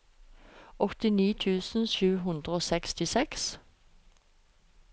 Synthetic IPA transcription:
ʔɔt̪ɪniːt̪ʰʉːsn̩ʃʉːɦʉnd̪ʁəoːsɛkst̪ɪsɛks

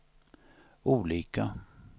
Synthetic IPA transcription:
ʔuːliːka

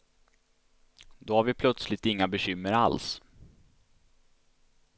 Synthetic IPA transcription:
d̪ɔhaɾvɪpʰlœt̪slɪt̪ɪŋːabɛɕʏmːəɾa̰ls

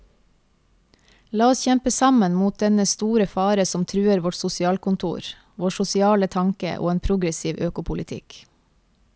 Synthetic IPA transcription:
lɑːɔsçɛmpəsɑmənmuːt̪̚d̪ɛnəst̪uːɾəfɑːɾəsɔmt̪ʰɾʉːəɾʋɔʈsʊsɪɑːlkʊnt̪ʰṵːɾ | ʋoːʃʊsɪɑːlət̪ʰɑŋkə̰ʔo̰ːeːnpʰɾʊɡɾəsiːʋʔøːkʊpʰʊlɪt̪ʰɪ̰k

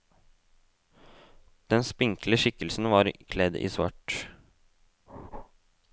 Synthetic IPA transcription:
d̪̥ɛnspɪŋkləʃɪkəlsn̩ʋɑːɾkʰlɛd̪ḭːsʋɑ̰ʈ

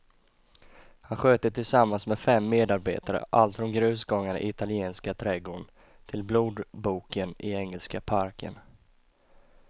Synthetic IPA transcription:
hanɧøːt̪ət̪ʰɪlsamːansmɛfɛmːeːd̪aɾbḛːt̪aɾə̰ʔa̰lt̪fɔmɡɾʉ̟ːsɡɔŋːaɳ̰ʔɪ̰ɪt̪alɪeːnskat̪ʰɾɛɡoːɳ | t̪ʰɪlbluːd̪buːkənʔɪɛŋːɛlskapʰaɾkʰə̰n

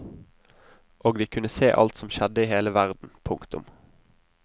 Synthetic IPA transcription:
ʔoːɡd̪iːkʰʉnəseːʔɑ̰lt̪sɔmʃɛd̪əiːheːləʋæʁd̪n̩pʰʊŋkt̪ʊ̰m

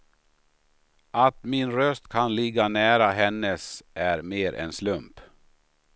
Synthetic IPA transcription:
ʔat̪mɪnɾœst̪kʰanlɪɡːanæːɾaɦɛnːəsæɾmeːɾʔɛ̰nslɵmp

